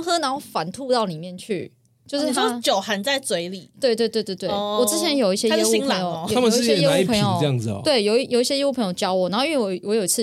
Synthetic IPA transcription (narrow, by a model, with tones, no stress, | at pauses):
ŋxɤ˥na˨˦no˥˩ʊfa̰˨˦nt̪ʰu˥˧t̪ɑ˥˩ʊni˨˩mjɛ˥˧˨nt͡ɕʰy̰˥˨˩ | t͡ɕjo˥˧ʂ̩˥˨˩t͡ɕjo˨ʊxa˧˥nt͡sa˥˩ɪt͡swe˧˥ɪli˨˩t̪we˥˧ɪt̪we˥˧ɪt̪we˥˧ɪt̪we˥˧t̪we˥˩wɔ˨˩t͡sɻ̩˥t͡ɕʰjɛ˧˦njo˨ʊi˥˩ɕjɛ˦˥jɛ˥ui˧ŋla˨˧j̪ʰa˥mə˨˥˧ɛ˥˨jɛ˥au˧˦i˥pʰə˧ŋjjo˨ə˥˧jɑ˥˩ŋd͡z̩˨ɐ̰˨we˥˩ɪjo˨ʊijo˨˩ʊi˥˩ɕjɛ˥jɛ˥u˥˩pʰɤ˧˦ŋjo˨˩t͡ɕjɑ˦˥ʊwɔ˨˩n˨˧˦xo˥˧˥wwɔ˧˦jo˨˩i˧˥t͡s̩ʰ˥˧